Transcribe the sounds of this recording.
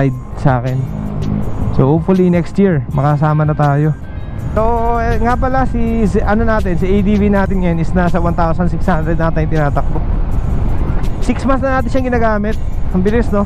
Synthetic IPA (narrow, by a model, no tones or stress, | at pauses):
jd̪̚saːkɛn | soʔofʊlinɛkst̪jiɹmɐkɐɐs̬aːmɐnɐt̪aːjo̞ | soŋapɐlasisʔɐnonaːt̪ɪnsɐʔejd̪ivinaːt̪ɪnjɐjanɪsnasɐwɐnt̪aːosɐnsɪkshanɾɛd̪nat̪aːjʊ̃ŋt̪ɪnaːt̪ɐk̚t̪ok̚ | siksmansnɐnaːt̪ɪnʃɐŋɡɪnaːɡaːmɪt̪̚ɐmbɪlɪsno̞